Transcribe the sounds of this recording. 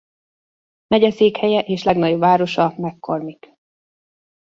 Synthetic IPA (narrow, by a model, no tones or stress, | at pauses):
mɛɟɛseːkhɛjɛʔeːʃlɛɡnɒɟobvaːɾo̞ʃɒmɛkːo̞rmik